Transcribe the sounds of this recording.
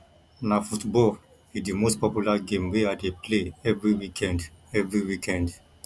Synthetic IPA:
nafutbɔl | idimostpɔpjulaɡẽmweadepleɛvɹiwikʰɛ̃ndɛvɹiwikʰɛ̃nd

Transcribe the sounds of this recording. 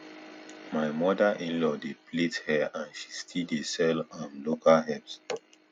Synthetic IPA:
maɪmɔdaʔĩnlɔdeplethɛãnʃistʰidesɛlãmlokalɦɛps

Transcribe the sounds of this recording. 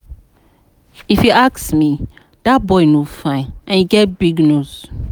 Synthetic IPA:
ifiʔaksmi | d̥at̚bɔɪnufãɪ̃ʔɛ̃niɡɛt̚biɡnuz̥

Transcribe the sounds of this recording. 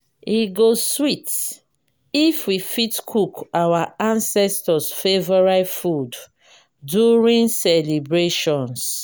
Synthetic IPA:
iɡoswit | ifwifitkʰukawaãnsɛstɔsfevɔɹafud | duɹĩŋsɛlibɹeʃɔ̃ns

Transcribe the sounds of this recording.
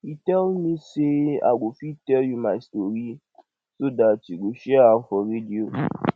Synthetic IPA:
itɛlmĩsea̰ɡofitɛljumastoɾi | sodatiɡoʃɛaafɔɾedio

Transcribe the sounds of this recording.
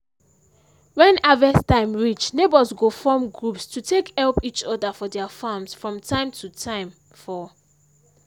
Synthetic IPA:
wɛ̃navɛstãɪ̃mɹit͡ʃnebəzɡofɔmɡɹupstʰutʰekhɛlpit͡ʃɔdəfɔdɛafamsfɹɔ̃mtʰãɪ̃mtʰutʰãɪ̃m | fɔ

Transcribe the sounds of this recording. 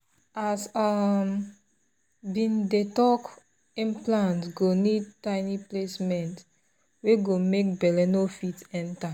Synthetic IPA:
asam | bĩndetɔk | ĩnplãntɡonid̚taɪniplesmɛ̃nt | weɡomek̚bɛlɛnofitɛ̃nta

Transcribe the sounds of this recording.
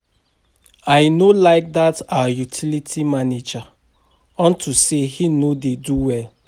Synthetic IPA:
ajnolaɪk̚datawəjutʰilitʰimaned͡ʒa | ɔ̃ntʰusehinodeduwɛl

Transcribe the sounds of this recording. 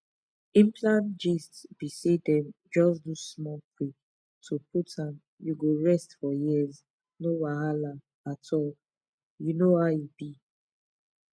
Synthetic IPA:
ĩmplãnd͡ʒistsb̥isedɛ̃m | d͡ʒɔs̬dusmɔkwik | tʰupʰutʰãm | juɡoɹɛstfɔjiz | nowaɦala | atʰɔl | junohajubi

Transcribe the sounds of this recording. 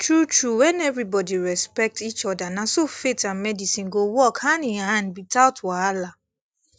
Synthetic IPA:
tʰɹutɹuwɛ̃nɛvɾibɔdiɹɛspɛk̚tit͡ʃɔdanãsofetãnmɛdisĩnɡowɔkhãnĩhãnbitʰaʊtwaala

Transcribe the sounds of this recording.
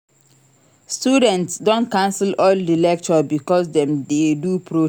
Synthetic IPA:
studɛ̃ntsdõnkãnsilɔldilɛk̚t͡ʃɔbikɔsdɛ̃mdedupʰɹo

